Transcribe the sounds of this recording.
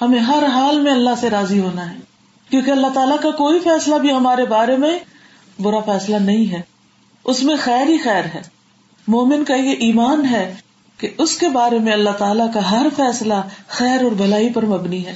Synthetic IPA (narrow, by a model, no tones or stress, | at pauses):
hɐmẽɦɐɾɦaːlmẽɐlːaɦseɾaːziɦoːnaɦɛː | kjõːkeɐlːaɦt̪aːlakakoːifɛːslabʱiɦɐmaːɾebaːɾemẽ | bʊɾafɛːslanɐɦĩɦɛː | ʊsmẽxɛːɾɦixɛːɾɦɛː | moːmɪnkajeʔiːmaːnɦɛː | keʊskebaːɾemẽɐlːaɦt̪aːlakaɦɐɾfɛːslaxɛːɾɔːɾbʱɐlaːipɐɾmɐbniɦɛː